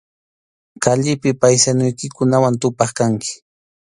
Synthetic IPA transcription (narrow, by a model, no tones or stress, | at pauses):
kaʎɪpɪpajsanʊjkɪkʊnawant̪ʊpɑχkaŋkɪ̥